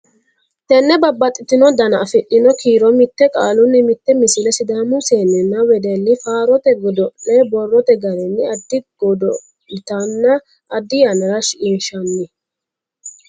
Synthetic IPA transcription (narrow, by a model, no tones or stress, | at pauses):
t̪ɛnːɛbɐbːɐt̪ʼːɪt̪ɪnɔd̪ɐnɐːfɪʔːɪnɔkiːɾɔmɪt̪ːɛkʼaːlʊnːɪmɪt̪ːɛmɪsɪlɛsɪd̪aːmʊseːnːɛnɐwɛd̪ɛlːɪfaːɾɔt̪ɛɡɔd̪ɔʔɛbɔrːɔt̪ɛɡɐɾɛnːɛɐd̪ːɪɡ̥ɔd̪ɔ | t̪ɐnːɐ | ʔːd̪ːɪjanɛɾɐʃʔɪnʃɐnːɪ